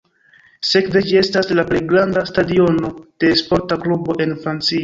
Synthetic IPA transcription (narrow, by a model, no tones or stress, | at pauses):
se̞kded͡ʒie̞staslaple̞jɡɾandastadio̞no̞d̥e̞spo̞ɾtaklubo̞ʔe̞nfɾant͡sia